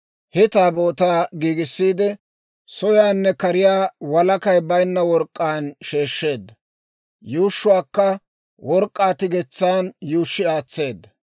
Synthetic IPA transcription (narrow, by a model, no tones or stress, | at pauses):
hɛt̪aːboːt̪aːɡiːɡɪsːiːd̪ɪ | sɔjaːnːɛkɐɾɪjaːwɐlɐkɐjbɐjnːɐwɔɾkʼːaːnʃeːʃːe̞ːd̪ːɐ | juːʃːʊwaːkːɐ | wɔɾkʼːaːt̪ɪɡɛt͡sːaːnjuːʃːɪaːt͡sːe̞ːd̪ːɐ